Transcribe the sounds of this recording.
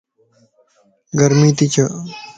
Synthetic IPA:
ɡɐɾmit̪it͡ɕʰɐ

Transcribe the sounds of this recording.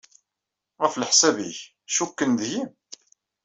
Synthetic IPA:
ʁəflħsæbḭç | ʃukːənd̪him

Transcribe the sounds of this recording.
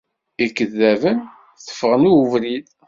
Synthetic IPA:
ikːəðːævən | θə̥fːəʁənuvɾið

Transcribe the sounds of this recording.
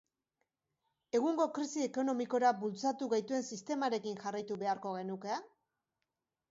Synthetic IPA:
e̞ɣ̞uŋɡo̞kɾisie̞ko̞no̞miko̞ɾabult͡sat̪uɣajt̪ue̞nsist̪e̞maɾe̞kinxarajt̪uβe̞aɾko̞ɣe̞nuke

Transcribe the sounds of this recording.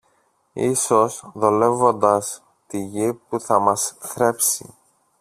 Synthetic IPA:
iso̞sðo̞le̞vo̞nd̪ɐs | t̪iʝipuθɐmɐsθɾe̞psḭ

